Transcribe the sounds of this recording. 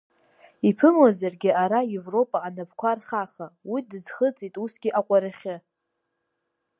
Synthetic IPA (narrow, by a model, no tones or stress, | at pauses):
ipʰɨmwazarɡʲɪaɾajevro̞pʼaːnapʰkʷarχaχawidɨzχət͡sʼitʼusɡʲiʔaqʷʼaɾaχʲɪ